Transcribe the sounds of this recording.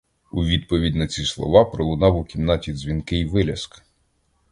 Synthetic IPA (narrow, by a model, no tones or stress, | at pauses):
uʋʲid̪pɔʋʲidʲnɐt͡sʲislˠɔ̰ʋɑpɾɔlˠʊnɑwʊkʲimnɑtʲizʲʋʲinkɪiʋɪlʲɐsk